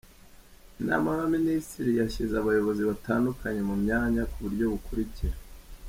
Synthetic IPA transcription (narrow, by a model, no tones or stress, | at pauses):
na̰maβaministiɾijaçizaβajo̞βo̞ziβataːndukʰaɲe̞mumɲaːɲakuβuɾɟo̞βukʰuɾiciɾa